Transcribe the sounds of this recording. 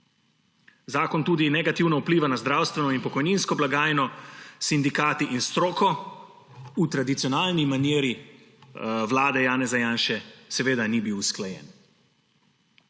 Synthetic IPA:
zaːkɔnt̪uːd̪inɛɡat̪iwnaupliːʋanazd̪ɾaːwst̪ʋɛnɔinpɔkɔjninskɔblaɡaːjnɔsind̪ikaːt̪iʔinst̪ɾoːkɔ | ut̪ɾad̪it̪sijɔnaːlnimanjeːɾi | ʋlaːd̪ɛjaːnɛzajaːnʃɛsɛʋeːd̪anibiwsklajɛ̰ːn

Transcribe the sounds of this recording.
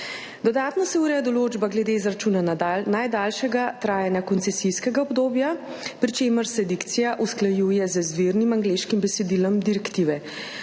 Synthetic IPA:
d̪ɔd̪aːt̪nɔsɛuːɾɛjd̪ɔloːd͡ʒbaɡlɛd̪eːzɾat͡ʃuːnanad̪alnajd̪alʃɛɡat̪ɾaːjɛnjakɔnt̪sɛsiskɛɡaɔbd̪oːbja | pɾit͡ʃeːməɾsɛd̪ikt̪sijaʔusklajuːjɛzəzʋiɾnimaŋɡleʃkimbɛsɛd̪ilɔmd̪iɾɛkt̪iːʋɛ

